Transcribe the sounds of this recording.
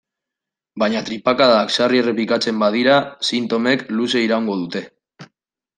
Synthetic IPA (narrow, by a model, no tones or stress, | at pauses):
baɲat̪ɾipakaðaːksariere̞plikat͡se̞mbað̞iɾasint̪o̞me̞kluse̞iɾauŋɡo̞ð̞ut̪e̞